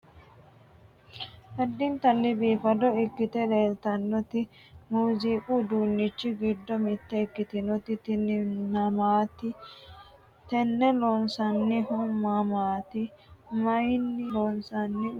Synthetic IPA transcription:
hɐd̪ːɪnt̪ɐlːɪbiːfɐd̪ɔɪkːɪt̪ɛleːlt̪ɐnːɔt̪ɪ | muːziːkʼuːd̪uːnːɪt͡ʃːɪɡɪd̪ːɔmɪt̪ːɛɪkːɪt̪ɪnɔt̪ɪt̪ɪnnɐmaːt̪ɪ | t̪ɛnːɛlɔːnsɐnːɪhɔmːamaːt̪ɪmɐjnːɪlonsɐnːɪ

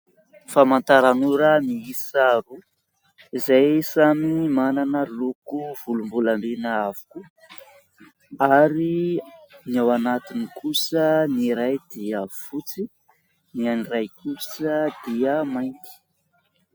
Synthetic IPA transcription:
famant̪aɾanuɾəniisaɾu | izajsamimananəlukuv̥ulumbulamenəavu̥ku | aɾi | niawanat̪inikʰusəniɾajd̪iəfut͡si | nianirajkusəd̪iəmajnt̪i̥

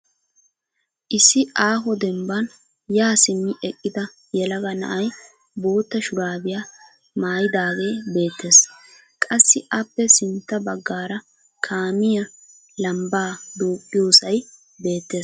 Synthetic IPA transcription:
ʔɪsːɪʔaːɦɔd̪ɛmbɐn | jaːsɪmːɪʔɛkʼːɪd̪ɐ | jɛlɐɡɐnɐ̰ʔɐj | bo̞ːt̪ːɐʃʊɾaːbɪjaː | maːjɪd̪aːɡe̞ːbe̞ːt̪ʰːe̞ːs | kʼɐsːɪʔɐpːɛsɪnt̪ːɐbɐɡːaːɾɐ | kʰaːmɪjɐ | lɐmbaːd̪uːkʼːɪjo̞ːsɐj | be̞ːt̪ːe̞ː

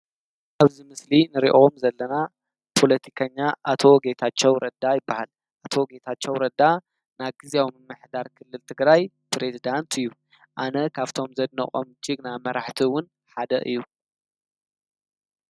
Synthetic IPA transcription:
ʔaβzimɨslinɨɾḭʔo̞mzɐlːɐna | pʰo̞lɐt̪ʰi̥kʰɐɲːaʔat̪ʰo̞ɡe̞t̪ʰat͡ʃːɛwɾɐd̪ajɪbːahal | ʔat̪ʰo̞ɡe̞t̪ʰat͡ʃːɛwɾɐd̪a | naɡɨzawmɨmːɨħd̪aɾkʰɨlːɨlt̪ʰɨɡɾaj | pɾe̞zid̪ant̪ɨjːu | ʔanɐkʰaβt̪ʰo̞mzɐd̪nɐ̰χʼomd͡ʒɪɡnamɐɾaħt̪ʰiwʊn | ħad̪ɐ̰ʔɨ̰jːu

